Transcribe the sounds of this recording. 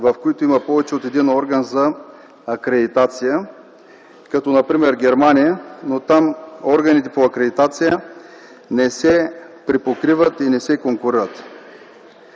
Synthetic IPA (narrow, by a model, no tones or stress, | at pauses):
vɐfkoit̪oimɐpɔvɛt͡ʃɛot̪ɛd̪inɔɾɡənzɐː | kɾɛd̪it̪at̪sijə | kɐt̪ɔnɐpɾimɛɾɡʲɛɾmanijənot̪amɔɾɡɐnit̪ɛpoɐkɾɛd̪it̪at̪sijə | nɛsɛpɾipokɾivət̪inɛsɛkoŋkʊɾiɾət̪